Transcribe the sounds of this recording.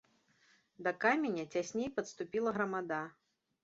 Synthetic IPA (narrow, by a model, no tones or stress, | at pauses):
d̪ɐkamʲenʲɐt͡sʲasʲnʲejpɐt̪st̪upʲilˠɐɣɾɐmad̪a